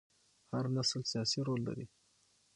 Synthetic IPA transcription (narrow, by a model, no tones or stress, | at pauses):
haɾnaslsijɑsiɾolːa̰ɾi